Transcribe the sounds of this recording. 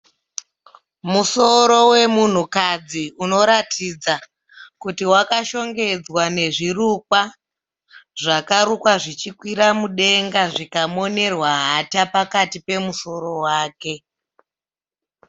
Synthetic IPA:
muso̞ɾo̞we̞mun̤ukad͡ziuno̞ɾatʰid͡za | kutiwakaʃo̞ŋɡe̞d͡zwane̞ʐirukwa | ʐakaɾukwaʐit͡ʃikwiɾamuɗe̞ŋɡaʐikamo̞ne̞rwaɦatapakatipe̞muso̞ɾo̞waːke̞

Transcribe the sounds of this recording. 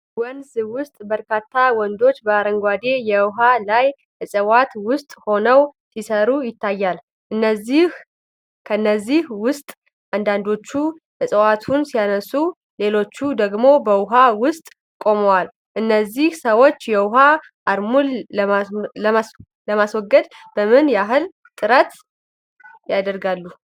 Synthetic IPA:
wɔnzwʊst̪ʼbəɾkʰat̪ʰːawɔnd̪o̞t͡ʃːbəaɾəŋɡʷad̪e̞jɛʊɦalaj | hɨsʼəwat̪wʊst̪ʼho̞nəwsisəɾujɪt̪ʰːajːal | ʔɨnːəzːih | kʰəɨnːəzːihwʊst̪ʼ | ʔand̪and̪o̞t͡ʃːu | hɨsʼəwat̪ʰunsijanəsu | le̞lo̞t͡ʃːud̪əɡmo̞bəwʊɦawʊst̪ʼ | kʼo̞məwal | ʔɨnːəzːihsəwo̞t͡ʃːjɛwʊɦa | ʔaɾmul | ləmaswɔɡːəd̪bəmɨnjaɦɨl | t̪ʼɨɾət̪ | jad̪əɾɡalːu

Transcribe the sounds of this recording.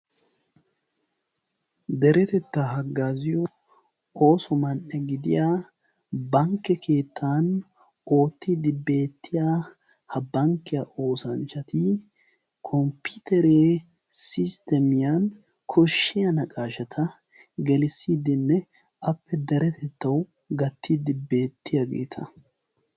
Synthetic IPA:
d̪ɛɾɛt̪ɛt̪ːɐɦɐɡːaːzɪjɔ | o̞ːsɔmɐnːɛɡɪd̪ɪjaː | bɐŋkːɛkʰe̞ːt̪ʰːaːn | o̞ːt̪ːɪd̪ɪbːe̞ːt̪ʰːɪjaː | hɐbɐŋkːɪjɐʔo̞ːsɐnt͡ʃːɐt̪ɪ | kʰɔmpɪt̪ɛɾeː | sɪst̪ɛmɪjɐn | kʰɔʃːɪjɐnɐkʼaːʃɐt̪ʰɐ | ɡɛlɪsːiːd̪ɪnːɛ | ʔɐpːɛd̪ɐɾɛt̪ʰɛt̪ːɐw | ɡɐt̪ʰːɪd̪ɪbːe̞ːt̪ʰːɪjɐɡḛːt̪ʰɐ

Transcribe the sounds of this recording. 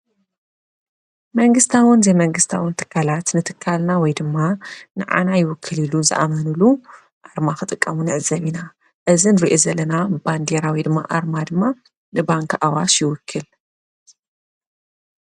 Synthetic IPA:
mɐŋɡɨst̪ʰawɨnzemɐŋɡɨst̪ʰawɨnt̪ʰɨ̥kʰːalat̪nɨt̪ʰɨkʰːalnawɔjd̪ɨmːanɨʕa̰najɪwʊkʰːɨlilunzɨʔa̰mɐnulu | ʔaɾmaxɨt̪ʼɨkʼːɐmunɨʕɨzɐβina | ʔɨzinɾiʔozɐlːɐnaband̪eɾawid̪ɨmːa̰ʔaɾmad̪ɨmːa | nɨbaŋkʰʔawaʃjɪwʊkʰːɨl

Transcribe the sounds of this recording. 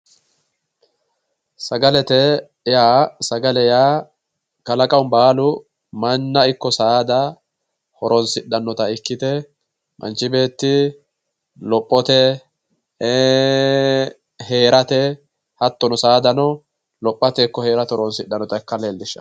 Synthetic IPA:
sɐɡɐlɛt̪ɛ | jaːsɐɡɐlɛjaː | kɐlɐkʼɐwʊnbaːlʊ | mɐnːɐɪkːɔsaːd̪ɐ | hɔɾɔnsɪɗːɐnːɔt̪ɐɪkːɪt̪ɛ | mʔɐ̰nt͡ʃːɪbe̞ːt̪ːɪ | lɔpʼːɔt̪ɛ | he̞ːɾɐt̪ɛ | hɐt̪ːɔnʊsaːd̪ɐnɔ | lɔpʼːɐt̪ɛkːɔhe̞ːɾɐt̪hɔɾɔnsɪɗːɐnːɔt̪ɐɛkːɐleːld̪ɪʃːɐ̰

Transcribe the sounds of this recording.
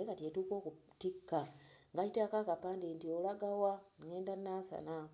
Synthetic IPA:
ekatjetuːko̞ːkutikːaŋɡacitakakapaːndintiolaɡawaŋeːndanasa̰na

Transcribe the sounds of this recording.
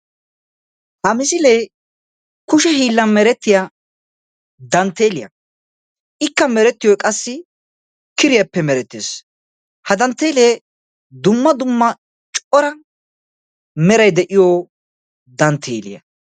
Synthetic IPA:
hɐmɪsɪleː | kʊʃɛɦiːlːɐnmɛɾɛt̪ːɪjɐ | d̪ɐnt̪ːeːlɪjɐ̰ | ɪkːɐmɛɾɛt̪ːɪjɔjkʼɐsːɪ | kɪɾɪjɐpːɛmɛɾɛt̪ːeːs | hɐd̪ɐnt̪ːe̞ːleː | d̪ʊmːɐd̪ʊmːɐ | t͡ʃʼɔɾɐ | mɛɾɐjd̪ɛʔɪjoː | d̪ɐnt̪ʰḛːlɪ̰jɐ̰

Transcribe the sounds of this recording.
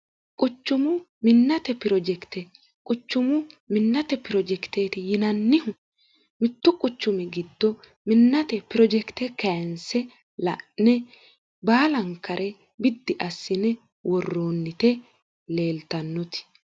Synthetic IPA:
kʼʊt͡ʃːʊmʊ | mɪnːɐt̪ɛpɪɾɔd͡ʒɛkt̪ɛ | kʼʊt͡ʃːʊmʊmɪnːɐt̪ɛpɪɾɔd͡ʒɛkt̪eːt̪ɪjɪnɐnːɪhʊ | mɪt̪ːʊkʼʊt͡ʃːʊmɪɡɪd̪̥ːɔ | mɪnːɐt̪ɛpɪɾɔd͡ʒɛkt̪ɛkɛjnsɛ | lɐ̰ʔnɛ | baːlɐŋkːɐɾʔɛ | bɪd̪ːɪʔɐsːɪnɛ | wʔɔrːoːnːɪt̪ɛ | le̞ːlt̪ɐnːɔt̪ɪ̥

